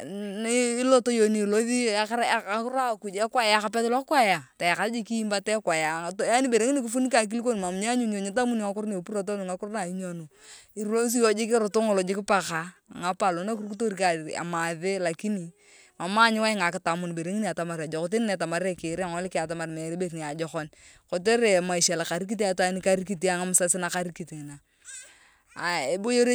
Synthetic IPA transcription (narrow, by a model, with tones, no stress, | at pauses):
nɪː˦lo˦to˦jo˨ni˨lo˦ði˦ɾkɾa˦˨ku˨d͡ʒɛ˦kwa˦ja˦ka˨pɛ˦tla˦ka˦ja˨ta˨ja˨ka˨td͡ʒi˦ki˦i˦mba˦tɛ˦kwa˨ja˨ta˦ni˦be˨ɾe˨˦ŋi˦ni˦k̬i˦fu˦ni˦ka˨k̬i˦li˦ko˦n˨ma˨m˨ɲa˦ɲu˦ɲo˨ɲɪ˦t̬a˦mu˦ni˨ŋa˦kʊ˦ɾne˨pu˦ɾa˨t̬o˦nu˨ŋa˦kʊ˦ɾna˨i˦ɲo˨no˨ | i˨ɾlo˦s̬i˦jo˦d͡ʒɪ˦kɪ˦ɾʊ˨to˦ŋo˨lo˨d͡ʒɪ˦kɪ˦pa˨ka̰ː˨˦˨ŋa˦pa˨lo˨˦na˦ku˦ɾku˦to˦ɾi˨ka˨a̰˨ma˨ðe˦la˨ki˦ni˨ | ma˨ma˦ɲɪ˦wa˦ɪ˦ŋa˨kɪ˨ta˨mʊ˨n˨be˨ɾe˨˦ŋi˦i˦a˨ta˨ma˨ɾa˨d͡ʒɔ˨kɔ˨t̬nnɛ˨ta˨ma˨ɾe˦kɪ˨ɾe˦a˨ŋɔ˦lɪ˦kɪ˦a˨t̬a˨ma˨ɾmɛ˨ɾe˦be˨ɾni˨a˨d͡ʒɔ˨kɔ˦n | kɔ˨t̬e˦ɾe˨ma˨i˨ʃa˨la˨ka˨ɾi˦k̬i˦t̬i˦a˨ta˦ni˦ka˦ɾi˦ki˦t̬i˦a˨ŋa˦mʊ˨sa˦sɪ˦na˨ka˦ɾi˦ki˨ti˨ŋɪ˨na˨ | a˨e˨bo˦jo˦ɾe˦